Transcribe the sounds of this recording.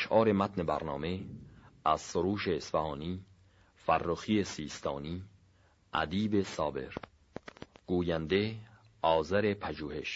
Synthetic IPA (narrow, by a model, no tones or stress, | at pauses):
ʃʔɒːɾe̞mæt̪ne̞bæ̰ɾnɒːme̞æz̥soɾuːʃeːsfæhɒːniː | færːoxiːesiːst̪ʰɒːniː | ʔæ̰d̪iːbe̞sɒːbe̞̰ɾ | ɡ̥uːjænd̪e̞ | ɒːzæɾe̞pʰæʒuːhe̞ʃ